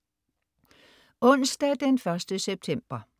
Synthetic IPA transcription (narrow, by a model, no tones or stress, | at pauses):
ɔ̽n̰sd̥ɛd̥enfɶɐsd̥əseb̥̚t͡sʰem̰b̥ɐ